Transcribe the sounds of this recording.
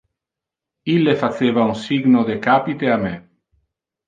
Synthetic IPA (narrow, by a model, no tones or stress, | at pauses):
ilːefat͡ʃeːvaunsiɡnod̪ekaːpit̪eame